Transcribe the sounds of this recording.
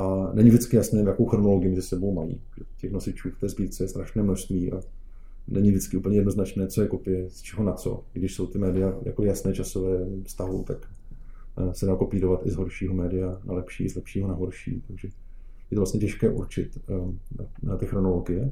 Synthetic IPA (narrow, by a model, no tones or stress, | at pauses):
ʔanɛɲɪvʒdɪt͡skɪjasnɛːjako̞wxɾo̞noloɡɪjɪmɛzɪsɛbo̞wmajḭː | ʒɛcɛxnosɪt͡ʃuːft̪ɛːzbiːɾt͡sɛjɛst̪ɾaʃnɛːmnoʃst̪viːʔa̰ | nʔɛɲɪvdɪt͡skɪʔuːpl̩ɲɛjɛdno̞znat͡ʃnɛːt͡sojɛkopɪjɛst͡ʃɛɦo̞nat͡so̞̰ɡdɪʃso̞wt̪ɪmɛːdɪjaja̰koɪjasnɛːt͡ʃasovɛːfst̪aɦʊ̰t̪ak | sɛdaːkopiːɾo̞vat̪ɪzɦo̞ɾʃiːɦomɛːdɪjana̰lɛpʃḭːʔɪzlɛpʃiːɦonaɦo̞ɾʃḭːt̪aɡʒɛ | jɛt̪olast̪ɲɛcɛʃkɛːʔuɾt͡ʃɪt̪ | t̪ɪxɾonoloɡɪjɛ